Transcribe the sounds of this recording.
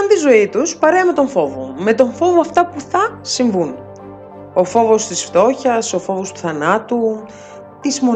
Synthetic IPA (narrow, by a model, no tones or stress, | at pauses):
ɐnt̪izo̞it̪uspɐɾeɐme̞t̪o̞ɱfo̞vo̰met̪o̞ɱfo̞voɐft̪ɐpuθɐsiɱvun | o̞fo̞vo̞st̪isft̪o̞çɐso̞fo̞vo̞st̪u̥θɐnɐt̪u | t̪izmo